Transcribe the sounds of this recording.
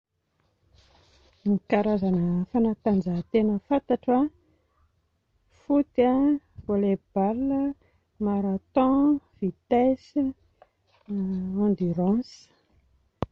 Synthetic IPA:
mikaɾazanəfanat̪and͡zat̪enəfant̪aʈ͡ʂa | fut̪a | voleb̥alə | maɾat̪ɔ̃v̥it̪es | ɔ̃nd̪yɾãs

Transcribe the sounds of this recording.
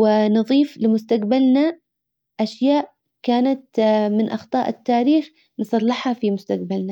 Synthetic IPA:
wɪnɨðˤiːflɪmʊst̪aqbalna | ʔaʃjaːʔ | kaːnat̪̚mɪnʔɑxt̪ˤɑ̰ːʔɪt̪ːaːɾiːx | nsˤɑlːɪħhafimʊst̪aq̚balna

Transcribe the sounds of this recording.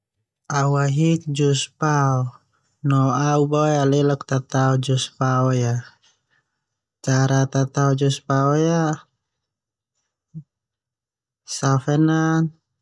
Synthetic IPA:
auaɦik̚d͡ʒuspaɔ | nɔaubɔjalɛlɔk̚t̪at̪aɔd͡ʒuspaɔja | t͡ʃaɾat̪at̪aɔd͡ʒuspaɔja | safɛnan

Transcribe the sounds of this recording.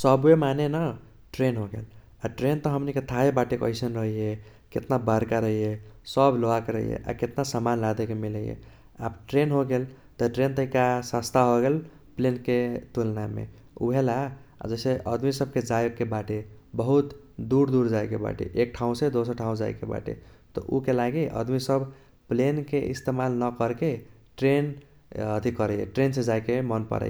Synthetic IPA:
səbemanenə | ʈɾenɦoɡḛl | aʈɾent̪ɔɦəmniket̪ʰaebaʈekə̰ɪsənɾəɦije | ket̪nabaɾkaɾəɦijesəbloakeɾə̰ɦḭjḛʔa̰ket̪nasamanlad̪ekemiləjḛ | a̰bʈɾenɦoɡel | t̪ɔʈɾent̪əɦikasast̪ʰaɦoɡel | plenket̪ulnamḛ | ṵbʱelaa̰d͡ʒəɪseʔə̰d̪misəb̚ked͡ʒajoɡkebaʈebəɦut̪ | d̪uɾd̪uɾd͡ʒajkeba̰ʈḛʔek̚ʈʰaũsed̪osəɾʈʰaũd͡ʒa̰jkeba̰ʈḛt̪ɔ̰ʔukelaɡiʔə̰d̪misəb | plenkeʔḭst̪emalnəkəɾke | ʈɾen | ət̪ikəɾəjḛʈɾensed͡ʒajkemənpə̰ɾə̰j

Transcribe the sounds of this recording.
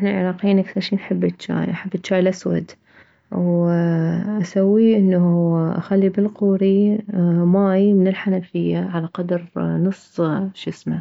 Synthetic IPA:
ʔaħnalʕɪɾˤɑːqijiːnʔakθɑɾˤʃiːnħɪbːɪt̪ːt͡ʃːa̰ːjlʔaħɪbːɪt̪ːt͡ʃːaːjlʔaswa̰d̪ | w | ʔasawːiʔɪnːaʔa̰xalːibɪlquːɾi | maːjmɪnɪlħanafɪjːaʕalaqɑd̪ɾnʊsˤːʃɪsma

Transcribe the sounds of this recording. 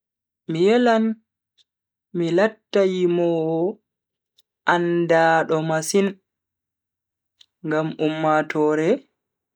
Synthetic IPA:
mijɛlan | milatːajimɔː | ʔandaːɗɔmasin | ŋɡamumːatʰɔːɾɛ

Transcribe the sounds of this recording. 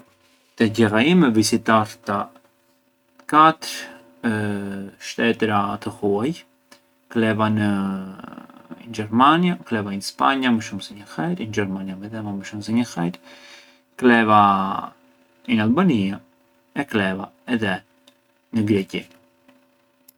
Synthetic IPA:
t̪ɛɟɛraimɛvisit̪aɾt̪a | kat̪əɾ | ʃt̪ɛt̪ɾat̪əhuaj | klɛvanə | nd͡ʒɛɾmanjaklɛvainspaɲaməʃumsɛɲəxɛjɾind͡ʒɛɾmaniavɛðɛmaməʃumsɛɲəxɛjɾ | klɛva | inalˠbania | ɛklɛvaɛðɛ | nəɡɾɛci

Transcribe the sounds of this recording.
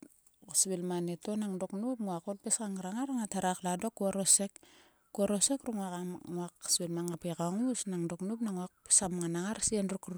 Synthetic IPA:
sbilmanetonaŋdoknup̚muakotpeskaŋɾaŋaɾaŋataɾakladokːuaɾosek | kuaɾosekɾuŋakaŋuaksbilmaŋapekaŋusnaŋdoknupnaŋuak̚pi̥samŋanaŋaɾsienrukr

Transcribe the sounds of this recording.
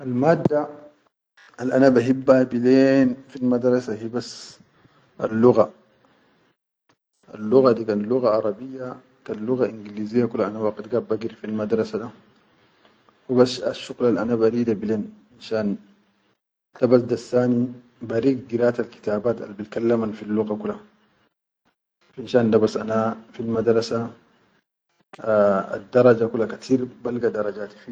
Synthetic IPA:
ʔalmaːd̪ːa | alʔanabaɦibːabileːnfilmad̪ɾˤɑsahiːbas | ʔa̰lːuɣa | a̰lːuɣad̪ikaːnluɣaʔɑɾˤɑbijːa | kanluɣaʔiŋɡiliːzijːakulhaʔanawaqt̪ɡaːbbaɡɾifilmad̪ɾˤɑsad̪a | wibasa̰ʃːuɣlalʔanabaɾiːd̪abileːn | inʃaːn | d̥̪abasd̪asːaːni | baɾiːɡd̪iɾaːt̪alki̥t̪aːbaːt̪a̰lbilkalːamanfilːuɣakulːa | finʃaːndabasʔanafilmad̪ɾˤɑsa | a̰d̪ːɑɾˤɑd͡ʒakulːakat̪ʰiːɾbalɡad̪ɑɾˤɑd͡ʒaːt̪i̥fi

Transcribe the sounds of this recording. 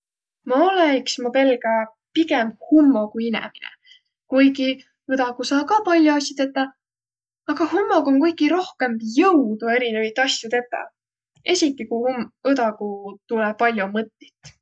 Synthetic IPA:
mɑoleksmope̞lɡ̥ɑ | piɡemhumːoɡuinḛminḛ | kujɡi | ɯd̪ɑɡ̥usɑːkɑpɑlʲjoɑsʲit̪et̪ˑːɑ | ɑɡ̥ɑhumːo̞ɡuoŋkujɡiɾo̞hke̞mbjɤwd̪ue̞ɾine̞vɑjt̪ːˑɑsjut̪e̞t̪ːˑɑ̰ | e̞sʲit̪ˑːikujhumɯd̪ɑɡut̪ulepɑlʲjomɤt̪ːi̥t̪ːˑ

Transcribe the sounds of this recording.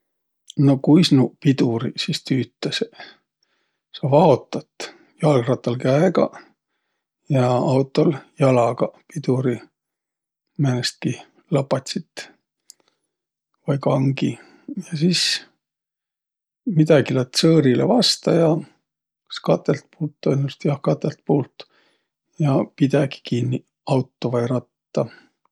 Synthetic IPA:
no̞kujsnupid̪uɾisist̪yːt̪ˑːɑse | sɑvɑo̞t̪ːˑɑt̪ | jɑlɡrɑt̪ːˑɑlkæeɡ̥ɑ̰ | jɑɑwt̪ːˑoljɑlɑɡɑpid̪uɾi | mænest̪̚ki | lɑpːˑɑt̪ʲsit̪ː | vɑjkɑŋɡi | jɑsis | mid̪̥ɑɡilæt̪ːsɤːɾilḛvɑst̪ɑjɑ | skɑt̪ːˑelt̪̚puːlt̪ːonʲːust̪jɑhkɑt̪ːˑelt̪̚puːlt̪ | jɑpid̪̥ɑɡi̥kinːi | ɑwt̪ːˑovɑjɾɑt̪ːɑ

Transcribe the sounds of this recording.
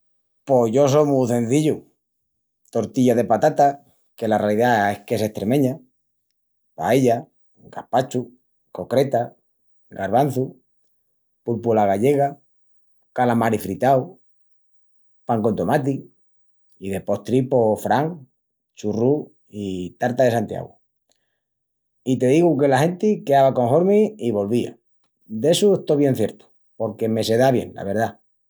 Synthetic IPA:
po̞ʝo̞s̬omuθe̞n̟θiʎu | t̪o̞ɾt̪iʎaðe̞pat̪at̪a | ke̞larealiðaehke̞se̞ht̪ɾe̞mẽɲa | pa̰eʎa | ɡ̥ahpat͡ʃu | ko̞kɾe̞t̪a | ɡaɾβ̞an̟θu | pulpulaɣaʎe̞ɣ̞a | kalamaɾifɾit̪aw | paŋko̞nt̪omat̪i | iðe̞po̞ht̪ɾipo̞fɾaŋ | t͡ʃuru | it̪aɾt̪aðe̞sant̪ja̰ɣu | it̪e̞ðiɣuke̞lahe̞nt̪ikeaβako̞ŋɦo̞ɾmĩiβo̞lβia̰ | d̪e̞sueht̪oβje̞n̟θje̞ɾt̪u̥ | po̞ɾke̞me̞se̞ðaβje̞̰ŋla̰βe̞ɾða

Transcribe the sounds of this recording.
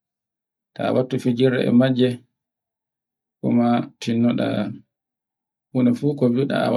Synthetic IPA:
taa̰watːufid͡ʒiɾɛ̰ʔɛ̰mad͡ʒːɛ | kɔ̰matʰinːɔɗa̰ | hunɛfukɔviɗa̰a̰w

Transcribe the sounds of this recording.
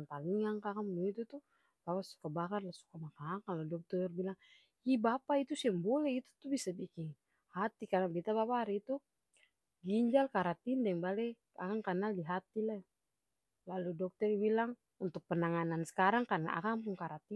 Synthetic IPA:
nt̪aliŋaŋkakaŋuŋit̪ut̪u | b̥apasu̥kabakarlasu̥kamakaŋkaludɔk̚t̪ɔrbilaŋ | ibapait̪usiaŋbɔlɛit̪ut̪ubisabikiŋ | hat̪ikaɾaŋbit̪abapaɾɛit̪u | ɡiɲd͡ʒalkaɾat̪indɛŋbalɛ | akaŋkanaldiɦat̪ila | laludɔk̚t̪ɔrbilaŋ | unt̪uk̚pənaŋanansɛ̥kaɾaŋkana̰ʔa̰kaŋpuŋkaɾat̪i

